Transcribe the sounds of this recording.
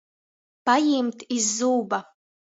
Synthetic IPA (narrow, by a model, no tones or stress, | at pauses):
pajimt̪ʰizːuːbɐ